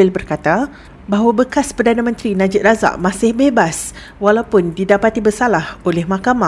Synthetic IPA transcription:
ɪlbərkat̪a | baɦwabəkaspərdanamə̃nt̪ɾinãd͡ʒɪt̪̚raza̰ʔmãsɪhbebas | walawpʊndidapat̪ibərsalaholɛhmakama

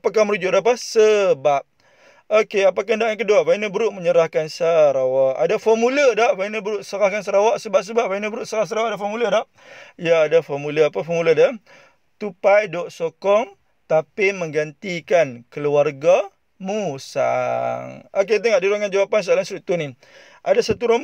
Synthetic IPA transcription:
apak̬ahməɾud͡ʒʊʔdapasəbap̚ | okeapakahdaʔank̬əduaʔbainəbəɾʊʔməɲəɾahkansəɾawaʔadafɔrmulədɔʔbainəbəɾʊʔsəɾahkans̬əɾawaʔsəbaʔ̚s̬əbaʔbainəbəɾʊʔsəɾahs̬əɾawaʔadafɔrmulədɔʔ | ijaːdafɔrmuləapafɔrmulədə | t̪upajdoʔsokɔŋ | t̪apimə̃ŋɡant̪ikankəluarɡa | musa̰ŋok̬et̪̬əŋaʔdiɾuaŋand͡ʒawapans̬əalansɾut̪uni | ʔadasat̪uɾam

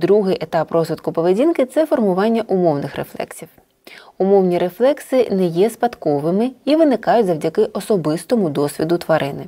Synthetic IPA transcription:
d̪ɾuɦɪjʔet̪ɑprɔzʋɪt̪kʊpɔʋedʲinkɪt̪sɛfɔrmʊʋɑnʲːɐʔʊmɔwnɪxrḛflˠɛ̰ksʲiw | ʊmɔwnʲiɾeflˠɛksɪnɛjɛspɐt̪kɔʋɪmɪiʋɪnɪkɑjʊtʲzɐwdʲɐkɪʔɔsɔbɪst̪ɔmʊd̪ɔsʲʋʲid̪ʊt̪ʋɐɾɪnɪ

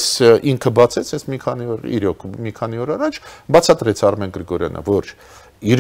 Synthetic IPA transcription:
sʔiŋkʰəbɑt͡sʰɛt͡sʰɛt͡sʰmikʰɑniɔɾḭɾɔkʰmikʰɑniɔɾɑrɑt͡ʃʰbɑt͡sʰɑt̪ɾɛt͡sʰɑrmɛnɡəɾɡɔɾjɑ̰nə̰vɔɾ | iɾ

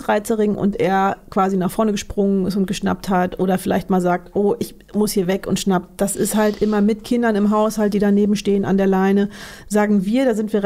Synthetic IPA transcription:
ʁaɪt͡səʁɪŋʔʊ̰ntʔeːɐkv̥aːzinaːχfɔɐnəɡəʃpʁ̥ʊŋənɪsʊnt̚ɡ̥əʃna̰p̚thatʔoːɾɐfɪlaɪçtmaːlzaːk̚tʔoːʔɪç | mʊshiːɐvɛkʊntʃnapd̥asɪsthaltʔɪmɐmɪtkʰɪndɐnɪmɦaʊshalt̚d̥iːdaːneːbm̩ʃteːəna̰ndeːɐlaɪnəzaːɡŋ̩viːɐdaːzɪntv̥iːɐ

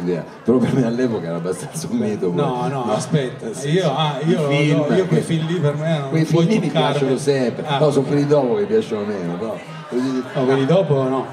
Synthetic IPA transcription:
vɛa̰ | peɾɔpɾomealːɛːpokaɛːɾabːast̪ansoumɛːt̪opnɔnɔnɔ̃aspɛt̪ːasiioaiːoiiːokwejfillipermekwejfiilipjat͡ʃt͡ʃonosɛmpɾeeɾɔsoŋkwelid̪ɔːpokepːjat͡ʃːonomeːnopeɾɔ | vod̪ikwed̪id̪ɔːponɔ

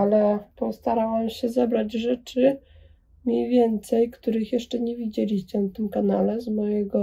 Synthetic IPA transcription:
alɛpɔst̪aɾawamɕɛzabɾad͡ʑʐɛt͡ʂɘ | mʲevʲjɛnt̪sɛjkt̪uɾɘxjɛʂt͡ʂɛɲevʲid͡ʑelʲiɕt͡ɕɛnat̪ɘmkanalɛzmɔjɛɡɔ

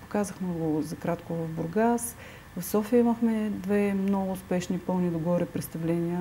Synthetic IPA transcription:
po̥kazəxmɛɡozɐkɾat̪kovɐfboɾɡas | vɐfsɔfijəiməxmɛd̪vɛmnɔɡʊspɛʃnipɤlˠnid̪oɡɔɾɛpɾɛt̪st̪ɐvlɛniə

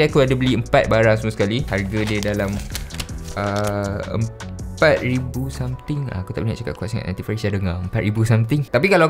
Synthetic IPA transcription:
akuadəbəliəmpat̪̚baɾaŋsumusə̥kaliharɡadiədalam | ʔəə̰m | pat̪̚ɾibusamt̪ɪŋa̰kut̪a̰ʔbnĩaʔ̚t͡ʃaka̰t̪̚kwasiŋa̰na̰nt̪ifaɾisiadəŋaəmpat̪̚ɾibusamt̪ɪŋt̪apikala

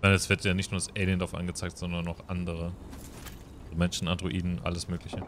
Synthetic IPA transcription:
maɪnəɛsv̥ɪɐtjaːnɪçtnuɐdasʔeːljəndʁaʊfʔa̰nɡət͡saɪk̚tz̥ɔndɐnaʊxʔandəʁ̞ə | zomɛnʃn̩andʁoʔiːdn̩ʔa̰ləsmøːkʰlɪçə

